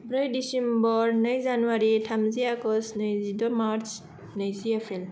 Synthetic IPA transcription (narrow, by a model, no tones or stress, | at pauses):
bɾɯjdisembɔɾnɯjzanuaɾitʰamziakɔsnɯjzidɔmaɾt͡ʃ | nəjziepʰel